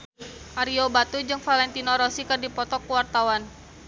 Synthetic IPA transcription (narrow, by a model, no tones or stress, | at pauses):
ʔaɾiobat̪ud͡ʒɨŋfalɛnt̪inɔɾɔsikɨrdipɔt̪ɔkuwart̪awan